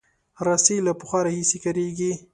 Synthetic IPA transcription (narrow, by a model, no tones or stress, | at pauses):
ɾaselapʊxaɾahisekaɾeɡi